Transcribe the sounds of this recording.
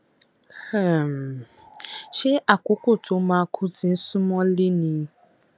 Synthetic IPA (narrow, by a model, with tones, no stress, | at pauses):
ha˦˨m˨ | ʃe˦ʔa˨kʷʊ˦kʷʊ˦˨tʰʊ˨˦ma˦˨kʰʊ˦zi˨n̩˦sʊ˦mɔ˦li˦nĩ˦